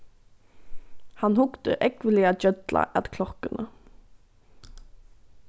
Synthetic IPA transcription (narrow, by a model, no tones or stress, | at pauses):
hɑnhʊkt̪ə̰ʔɛkʋəlɪad͡ʒœd̪lʔa̰ʔæ̰t̪kʰlɔkənə